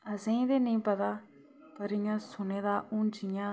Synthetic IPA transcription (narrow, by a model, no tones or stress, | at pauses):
əsẽĩːd̪eːnəĩːpət̪aː | kəɾijãːsʊneːd̪aːʔʊ̃ːnd͡ʒɪjãː